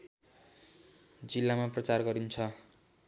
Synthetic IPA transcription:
d͡zilːamaprʌt͡sarɡʌɾint͡sʰʌ

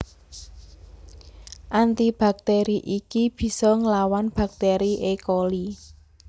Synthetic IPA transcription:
ʔant̪ib̥a̤k̚t̪eɾiʔikib̥i̤sɔŋəlawanb̥a̤k̚t̪eɾiʔekoli

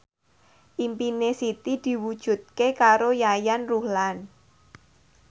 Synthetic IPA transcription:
ʔimpinesit̪id̪̥i̤wud̥ʒ̥ṳt̪̚kekaɾojajanruhlan

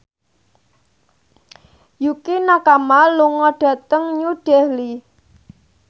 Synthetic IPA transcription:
jukinakamaluŋɔɖ̥ä̤t̪əŋɲuɖ̥ɛhli

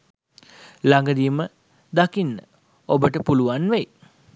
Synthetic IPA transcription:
laŋɡəd̪imə | d̪akinːə̰ | obəʈəpuluʋanʋæj

